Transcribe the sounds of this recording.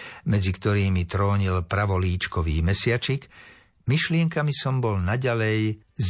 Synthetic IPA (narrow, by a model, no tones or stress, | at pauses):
mɛd͡zikt̪ɔɾiːmit̪ɾɔːɲilpɾaʋɔliːt͡ʃkɔʋḭːmɛsɪat͡ʃik | miʃlɪɛŋkamisɔmbɔlnaɟalɛj | z